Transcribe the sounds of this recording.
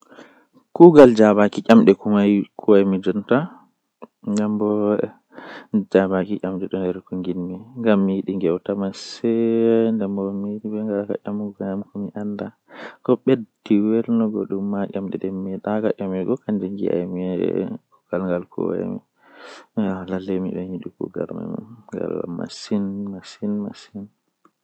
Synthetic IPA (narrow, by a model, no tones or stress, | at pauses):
kuɡald͡ʒabakiʔʲamɗɛkumajkʰuwajmid͡ʒɔnta | ŋɡambɔ | d͡ʒabakiʔʲamɗɛɗɔndɛɾkuŋɡinmiŋɡamːijiɗiŋɡɛwtamasɛndɛmbɔmiɗibɛŋɡalaka̰ʔamuɡɲamkɔmiʔanda | kɔɓediwɛlnɔɡɔɗumːaʔʲamɗɛ̰ɗɛmiɗakaʔamɛɡɔkand͡ʒɛŋɡḭa̰jmiɛ̰kɔkalŋɡalkʰɔ̰w̰a̰mḭ | alalemiɗɛiɗikṵɡa̰ɾma̰ŋɡa̰la̰ma̰sinmasinma̰sin